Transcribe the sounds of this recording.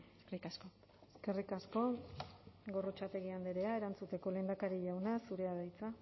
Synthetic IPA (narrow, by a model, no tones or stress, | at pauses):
eskerikasko | eske̞rikasko̞ | ɡo̞ro̞t͡ʃat̪e̞ɣiand̪eɾe̞ae̞ɾant͡sut̪e̞ko̞le̞ːnd̪akaɾiʝawnasuɾe̞aðajt͡sa